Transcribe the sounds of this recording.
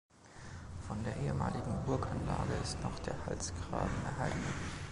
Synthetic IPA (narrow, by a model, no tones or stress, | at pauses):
fɔndeːɐʔeːəmaːlɪɡŋ̩bʊɐkanlaːɡəɪstnɔχd̥eːɐhalsɡ̥ʁaːbm̩ɛɐɦaltn̩